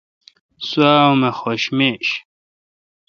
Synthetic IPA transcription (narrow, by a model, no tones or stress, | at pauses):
swaːwmexoɕmeːɕ